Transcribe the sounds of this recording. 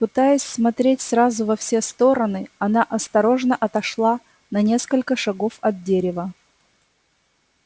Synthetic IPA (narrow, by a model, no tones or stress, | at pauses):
pɨt̪ajɪsʲsmɐt̪ɾʲetʲsɾazʊvɐfsʲe̞st̪o̞ɾənɨɐnaʔɐst̪ɐɾo̞ʐnəʔɐt̪ɐʂlˠa | nɐnʲe̞skəlʲkəʂɐɡo̞fɐd̪̚dʲeɾʲɪvə